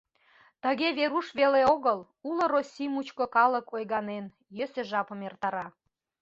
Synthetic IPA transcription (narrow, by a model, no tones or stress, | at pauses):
t̪ə̆ɣeβeɾuʃβeleoɣəl | ulŏɾosʲimut͡ɕkokɑləkʰojɣɑnen | jøseʒɑpəmert̪ɑɾɑ